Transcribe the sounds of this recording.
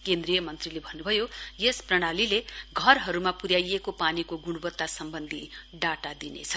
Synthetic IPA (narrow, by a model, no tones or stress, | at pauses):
kend̪rijʌmʌnt̪rilebʱʌnːubʱʌjojesprʌɽ̃alileɡʱʌrɦʌɾumapuɾjajekopanikoɡuɽ̃ubʌt̪ːasʌmbʌnd̪ʱiɖaʈad̪inḛt͡sʰʌ